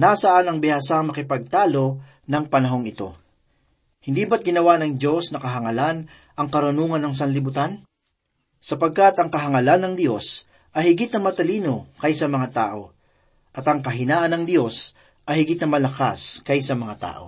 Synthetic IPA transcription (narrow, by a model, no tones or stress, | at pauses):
nasɐʔanɐŋbɪhasaŋmɐkɪpɐɡ̚t̪aːlo̞ | nɐŋpɐnɐɦo̞ŋɪt̪o̞̰ | hɪnd̪iːbɐt̪̚ɡɪnɐwanɐŋd̪jo̞snɐkɐɦɐŋɐlan | ʔɐŋkɐɾʊnuːŋɐnːɐŋs̬ɐnlɪbʊt̪an | sɐpɐɡ̚kat̪ɐŋkɐɦɐŋɐlanːɐŋd̪jo̞s | ʔɐjhɪɡɪt̪nɐmɐt̪ɐliːno̞kɐjsɐmɐŋat̪aːʔo̞ | ʔɐt̪ɐŋkɐɦɪnaːʔɐnɐŋd̪jo̞s | ʔɐjhɪɡɪt̪̚nɐmɐlɐka̰skɐjsɐmɐŋat̪a̰ːʔo̞̰